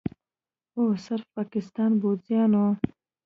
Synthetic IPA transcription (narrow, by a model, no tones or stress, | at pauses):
osəɾfpɑːkɪst̪ɑːnbozjɑːno